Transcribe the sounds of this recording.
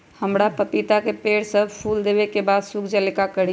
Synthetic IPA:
həmɾapəpit̪akepeɽsəbʱpʰuld̪ebekebad̪sukʰd͡ʒəlikakəɽi

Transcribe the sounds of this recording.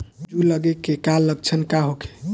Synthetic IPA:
d͡ʒuləɡekekalːəɡ̚t͡ʃʰənkaɦokʰe̥

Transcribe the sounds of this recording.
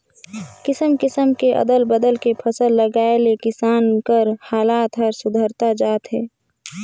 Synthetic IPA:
kɪsəmkɪsəmkeʔə̰d̪əlbəd̪əlkepʰəsəlːəɡaːelekɪsaːnkəɾhaːlaːt̪ɦəɾsʊd̪ʱəɾt̪ad͡ʒaːt̪ɦɛː

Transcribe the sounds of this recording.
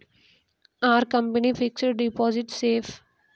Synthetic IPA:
aːɾkɐ̃mpənifɪksəɖɖɪpɔːzɪʈseːf

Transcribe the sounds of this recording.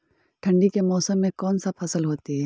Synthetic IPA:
ʈʰɐ̃ɳɖikemɔːsəmːẽkɔːnsapʰɐsəlɦoːt̪iɦɛː

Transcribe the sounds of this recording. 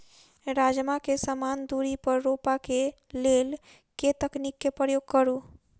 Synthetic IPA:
ɾad͡ʒmakesəmand̪uɾipəɾːopake | lel | ket̪əknikːepɾəjoɡ̚kəɾu

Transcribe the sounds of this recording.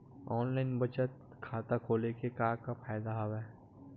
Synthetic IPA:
ɔːnlaːɪnbɐt͡ʃət̪̚ | kʰaːt̪akʰoːlekekaːkafʰaːjd̪aɦoʋɛː

